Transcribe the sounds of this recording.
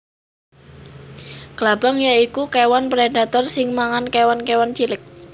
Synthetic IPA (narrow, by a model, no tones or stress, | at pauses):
ɡ̥lab̥aŋjaikukewanpɾedat̪ɔrsɪŋmaŋankewankewant͡ʃilɪk̚